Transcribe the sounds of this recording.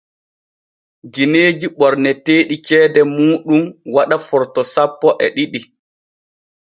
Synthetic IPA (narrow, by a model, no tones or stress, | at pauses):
ɡineːd͡ʒiɓɔɾnɛteːɗikɛːdɛmuːɗumwaɗafɔɾtɔsapːɔʔɛɗiɗi